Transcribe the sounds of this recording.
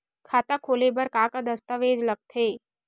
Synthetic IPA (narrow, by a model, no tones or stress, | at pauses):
kʰaːt̪akʰoːlebəɾkaːkad̪əst̪əʋeːd͡ʒləɡ̚t̪ʰeː